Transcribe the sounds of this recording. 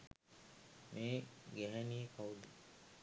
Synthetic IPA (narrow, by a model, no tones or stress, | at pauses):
meːɡeɦæniekʰawud̪i